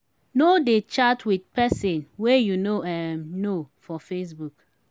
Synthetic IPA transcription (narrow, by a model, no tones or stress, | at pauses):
nodet͡ʃatʰwidpɛsɛ̃nwɛejunoɛmnofɔfes̬buk